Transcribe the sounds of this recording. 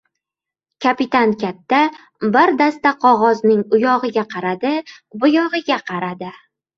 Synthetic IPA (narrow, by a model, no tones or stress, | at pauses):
kʲʰapɪt̪ankʲat̪ːa | bɪɾd̪ast̪aqʰɒʁɒznɪŋʊjɒʁɨɡʲaqʰɑɾad̪ɪbʊjɒʁɨɡʲaqʰɑɾad̪ɪ